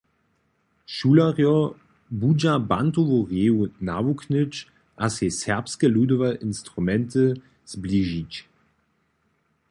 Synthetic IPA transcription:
ʃulaʁjɔ | bud͡ʒabant̪ovoʁjeːunavuknət͡ɕ | ʔasesɛʁpskɛlud̪ɔvaʔinst̪ʁumɛnt̪ə | z̥bliʒit͡ɕ

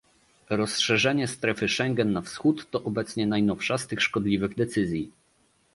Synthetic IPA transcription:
ɾɔsʂɛʐɛɲɛst̪ɾɛfɘʂɛŋɡɛnːafsxut̪ːɔʔɔbɛt̪sɲɛnajnɔfʂast̪ɘxʂkɔd̪lʲivɘɣd̪ɛt̪sɘzʲji

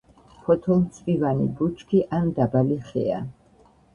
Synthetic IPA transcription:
pʰɔt̪ʰɔlˠmt̪sʰʼpivanḭbut͡ʃʰkʰiʔand̪abaliχɛ̰a̰

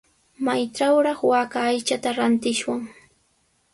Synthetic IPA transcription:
majʈ͡ʂawɾɑχwaːkaːjt͡ʃat̪aɾant̪ɪʃwaŋ

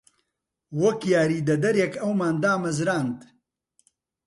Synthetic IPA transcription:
wɔkjaːɾiːd̪ɐd̪ɐɾjekɐwmaːnd̪aːmɐzɾaːnd̪

